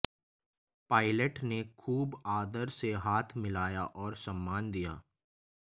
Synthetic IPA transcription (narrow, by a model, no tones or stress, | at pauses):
paːɪləʈnekʰuːbaːd̪əɾseɦaːt̪ʰmɪlaːjaʔɔːɾsɐ̃mːaːnd̪ija̰ː